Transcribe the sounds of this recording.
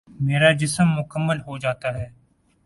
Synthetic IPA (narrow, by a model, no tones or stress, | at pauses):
meːɾad͡ʒɪsəmːʊkəmːəlɦod͡ʒaːt̪aɦɛː